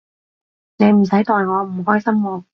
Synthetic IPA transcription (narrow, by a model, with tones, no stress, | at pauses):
ne˨˧jm̩˨˩sɐ˨˥jt̪ɔː˨jŋɔː˨˧m̩˨˩ɦɔː˥jsɐ˥mwɔː˧